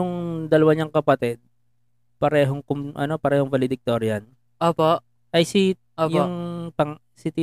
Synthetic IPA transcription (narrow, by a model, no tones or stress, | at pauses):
ʊŋd̪ɐlɐwaɲaŋkɐpɐt̪ɛd̪̚ | pɐɾɛːɦoŋkʊmʔɐ̰nopɐɾɛːhoŋvɐlɪd̪ɪk̚t̪oɾjɐn | ʔoːpoʔ | ʔɐjsi | ʔoːjʊŋpɐŋ | sɪt̪ɪ